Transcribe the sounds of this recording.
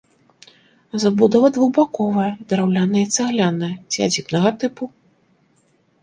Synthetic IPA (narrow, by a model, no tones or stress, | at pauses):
zabud̪ɐvɐd̪vuwbakɔvɐjɐd̪ɐɾawlʲanɐjɛit̪sɛɣlʲanɐjɐt͡sʲiad͡zʲipnɐɣɐt̪ɨpu